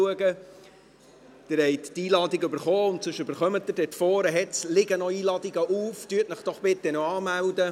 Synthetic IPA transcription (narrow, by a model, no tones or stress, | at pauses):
uəɡə | d̪̥ɪɾhɛɪttiːlɑːd̪ɪɡʏbəɾχɔːʊntsʏʃʏbəɾχœmətːəɾd̥ɛtfɔːɾəɦɛt͡slɪɡənɔiːlɑdiɡəʔuːftyətnəχd̥ɔχb̥ɪt̪ːɛnoɑːmæwd̪ə